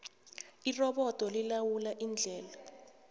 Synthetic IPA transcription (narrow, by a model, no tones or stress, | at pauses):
irɔɓɔd̥ʱɔlilawulaʔind͡ɮʱɛːla